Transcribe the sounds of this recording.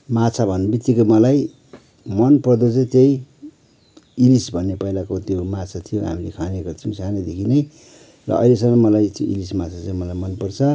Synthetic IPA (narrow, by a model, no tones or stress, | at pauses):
mat͡sʰabʱʌnːbit̪ːikomʌlaj | mʌnpʌrd̪ot͡sʌ̃t̪ej | ilisbʱʌnːepʌilakot̪jomat͡sʰat̪ʰijoɦa̰milekʰaneɡʌrt͡sʰiw̃sʰaned̪ekʰinʌj | rʌ̰ʌ̰jlesʌŋʌmʌlajt̪joʔilismat͡sʰat͡saĩmʌlajmʌnpʌrt͡sʰʌ